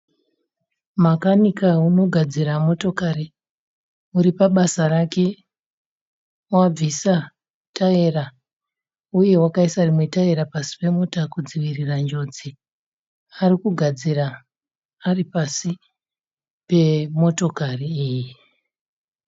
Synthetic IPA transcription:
makanikauno̞ɡʱad͡ziɾamo̞to̞kaɾi | uɾipaɓasarake̞ | wab͡visa | tae̞ra | uje̞wakaisarimwe̞tae̞ɾapasi̥pe̞mutakud͡ziʋirirand͡ʒo̞d͡zi | aɾikuɡʱad͡ziraː | ripasi | pe̞mo̞to̞kariːji

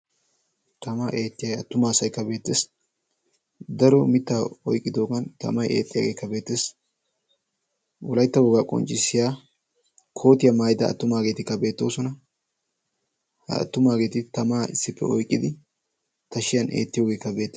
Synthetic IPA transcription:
t̪ɐmaːʔe̞ːt̪ːɪjɐjɐ̰t̪ːʊmaːsɐjkːɐbeːt̪ːes | d̪ɐɾɔmɪt̪ːaːɔjkʼːɪd̪o̞ːɡɐnt̪ɐ̰mɐjḛːt̪ʼːɪja̰ːɡe̞ːkːɐbe̞ːt̪ːeːs | wɔlɐjt̪ːɐwɔɡaːkʼɔ̰nt͡ʃʼːɪsɪjaː | kʰo̞ːt̪ɪjɐmaːjɪd̪ɐ̰ːt̪ːʊmaːɡe̞ːt̪ɪkːɐbe̞ːt̪ːo̞̰ːsɔnɐ | hɐ̰ɐ̰t̪ːʊmaːɡe̞ːt̪ɪt̪ɐmaːɪ̰sːɪpːɛ̰ɔ̰jkʼːɪd̪ɪ | t̪ɐʃɪjɐnʔḛːt̪ːɪjo̞ːɡekːɐbe̞ːt̪ː

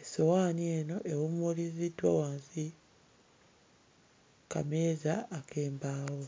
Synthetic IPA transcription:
esowaːnie̞ːno̞ʔe̞wumulizidwawaːnsi | ka̰meːzaːkʰeːmbaːwo

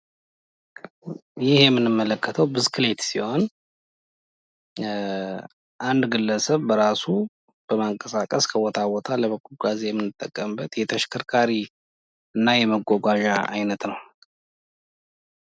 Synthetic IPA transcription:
jɪhjɛmːɨnɨmːələkʰːət̪ʰəwbɨzkʰɨle̞t̪siho̞n | ʔand̪ɡɨlːəsəβbəɾasu | b̥əmaŋkʼəsakʼəskʰəwɔt̪ʰawɔt̪ʰaləβəkʰːulɡazejɛmːɨnːɨt̪ʼːəkʼːəmbət̪jɛt̪ʰəʃkʰəɾkʰaɾi | ɨnːajɛməɡʷɔɡʷaʒaʔa̰jnət̪nəw

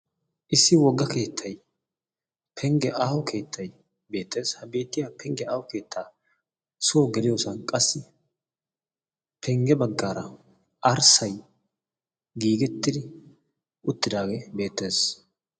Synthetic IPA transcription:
ʔɪsːɪwɔɡːɐke̞ːt̪ʰːɐj | pʰɛŋɡɛʔaːwɔkʰe̞ːt̪ʰːɐj | be̞ːt̪ːe̞ːshɐbe̞ːt̪ːɪjaːpɛŋɡɛaːwɔke̞ːt̪ʰːaː | sʊwɔɡɛlɪjoːsɐnkʼɐsːɪ | pʰɛŋɡɛbɐɡːaːɾɐ | ɐɾsɐj | ɡiːɡɛt̪ːɪd̪ɪ | ʊt̪ːɪd̪aːɡebe̞ːt̪ːe̞ːs

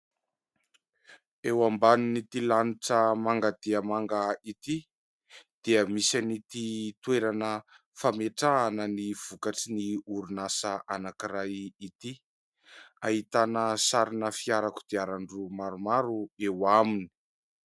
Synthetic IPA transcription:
ewambaninit̪ilaniʈ͡ʂəmaŋɡad̪eəmaŋɡait̪i | d̪̥iəmisanit̪it̪weɾanə | fameʈ͡ʂaːnəniv̥ukaʈ͡ʂiniuɾunasəʔanakiɾajit̪i | aɦit̪anəsaɾinəfiaɾaku̥d̪̥eaɾaɳɖ͡ʐumaɾumaɾuewamini̥

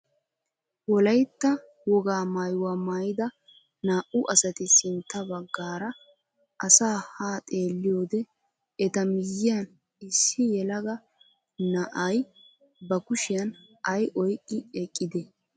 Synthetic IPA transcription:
wɔlɐjt̪ːɐ | wɔɡaːmɐjwaːmajɪd̪ɐ | naːʔʊʔɐsɐt̪ɪsɪnt̪ːɐbɐɡːaːɾɐ | ʔɐsaːhaːt̪ʼe̞ːlːɪjoːd̪ɛ | ɛt̪ɐmɪjːɪjɐn | ɪsːɪjɛlɐɡɐ | nɐʔɐj | bɐkʊʃɪjɐn | ɐjʔɔjkʼːɪɛkʼːɪd̪ɛ

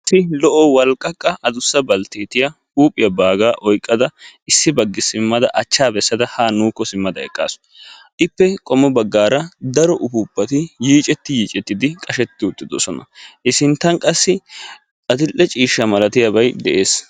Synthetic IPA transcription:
sːɪlɔʔɔwɐlkʼːɐkʼːɐʔɐd̪ʊsːɐbɐlt̪eːt̪ɪjɐhuːpʼːɪjɐbaːɡaːʔɔjkʼːɐd̪ɐɪsːɪbɐɡːɪsɪmːɐd̪ɐʔɐt͡ʃːaːbɛsːɐd̪ɐhaːnuːkːɔsɪmːɐd̪ɐɛ̰kʼːa̰ːsɔ̥ | ʔɪpːɛkʼɔmːɔbɐɡːaːɾɐd̪ɐɾɔʔʊfʊbːɐt̪ɪjiːt͡ʃʼɛt̪ːɪjiːt͡ʃʼɛt̪ːɪd̪ɪkʼɐʃɛt̪ːɪʊt̪ːɪd̪ɔsɔnɐ̰ʔɪsɪnt̪ːɐnkʼɐsːɪ | ɐt̪ɪlːɛt͡ʃʼiːʃːɐmɐlɐt̪ɪjɐbɐjd̪ɛʔeːs

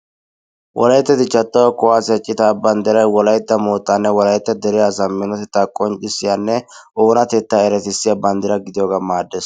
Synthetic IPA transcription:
wʔɔ̰lɐjt̪ːɛt̪ɪt͡ʃɐt̪ːɐwɐkʊwaːsɛt͡ʃʼːɪt̪aːbɐnd̪ɪɾɐjwɔlɐjt̪ːɐmoːt̪ːanːɛwɔlɐjt̪ːɛd̪ɛɾɪjasɐmːɪnɔt̪ɛt̪ːaːkʼɔnt͡ʃʼɪsɪjanːɛʔoːnɐt̪ɛt̪ːaːɛɾɛt̪ɪsːɪjabɐnd̪ɪɾɐɡɪd̪ɪjoːɡamaːd̪ːɛːs

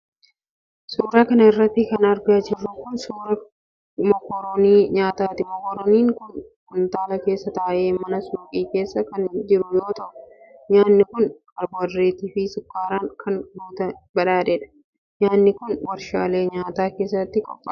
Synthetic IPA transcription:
suːɾaːkɐnɐɪrːɐt̪ːɪkɐnɐɾɡad͡ʒɪrːʊkʊnsuːɾɐ | mɔkɔɾɔniːɲaːt̪aːt̪ɪmɔkɔɾɔniːŋkʊnkʊnt̪aːlɐke̞ːsːɐt̪aʔːʔe̞ːmɐnɐsuːkʼiːke̞ːsːɐkɐnd͡ʒɪɾʊjo̞ːt̪ɐʔʊ | ɲaːnːɪkʊn | ɐɾbɐrːeːt̪iːfɪsʊkːaːɾankʰɐnbuːt̪ɐbɐᶑaːᶑɛᶑɐ̥ | ɲaːnːɪkʊnwɐɾʃa̰ːle̞ːɲaːt̪aːke̞ːsːɐt̪ːɪkʼɔpʼːɐ

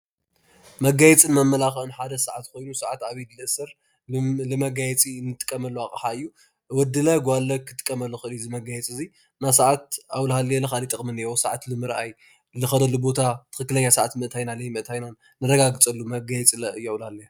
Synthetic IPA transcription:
mɐɡajɛt͡sʼɨnmɐmːɐlaxʔɨnħad̪ɐsɐʕat̪kʰo̞jnusaʕat̪aβɐjdlɨʔɨsɐɾ | lɨmɐɡajɛt͡sʼinːɨt̪ʼɨ̥kʼːɐmɐlːuakʼɨħaɨjːu | wɔd̪ːɨlɐɡʷalːɐkʰɨt̪ʼɨ̥kʼːɐmɐlːuxɨʔɨlijzɨmɐɡajɛt͡sʼɨzi | nasaʕat̪̚ʔawlhaljalɐxalit̪ʼɨχʼmɨnewosaʕat̪lɨmɨɾʔaj | lɨxɐd̪ɐlːubo̞t̪ʰat̪ʰɨ̥xɨkːɨlɐɲːasɐʕat̪mɨʔt̪ʰajnalɐjmɨʔt̪ʰajnan | nɨɾɐɡaɡɨt͡sʼɐlːumɐɡajɛt͡sʼilɐɨjawlhalːɐj

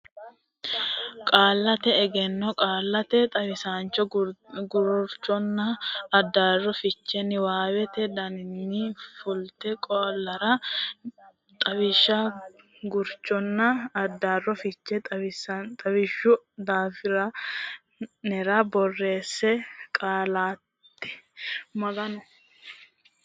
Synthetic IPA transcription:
kʼaːlːɐt̪ɛɛɡɛnːɔkʼaːlːɐt̪ɛt̪ʼɐwɪsaːnt͡ʃːɔɡʊɾɔɾt͡ʃːɔnːɐɐd̪ːaːrːɔfɪt͡ʃːɛnɪwaːwɛt̪ɛd̪ɐnɪnːɪfʊlt̪ɛkʼɔlːɐɾɐ | t̪ʼɐbɪʃa | ɡʊɾt͡ʃːɔnːɐɐd̪ːaːrːɔfɪt͡ʃːɛt̪ɐɪsɐt̪ʼɐbɪʃʊd̪aːfɪɾɐ | nɛɾɐbɔrːe̞ːsːɛkʼaːlaːt̪ːɪ̥mɐɡɐn

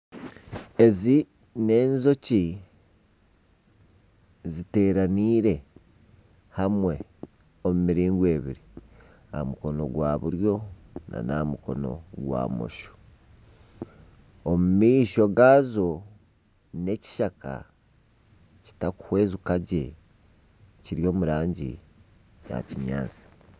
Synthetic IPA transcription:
e̞zi | ne̞ːnzo̞ci | zite̞ːɾaniːɾe̞ | hamwe̞ | omumiɾiːŋɡwe̞ːβḭɾi | amuko̞no̞̰ɡwaːβuɾjo̞na̰namuko̞no̞̰ɡwa̰ːmo̰ʃo̥ | omumiːʃo̞ɡaːzo̞ | ne̞ci̥ʃaka̰ | ci̥taku̥hwe̞ːzukaɟe̞ | ciɾijo̞ːmuɾaːɲɟḭ | ja̰ciɲa̰ːt͡si̥

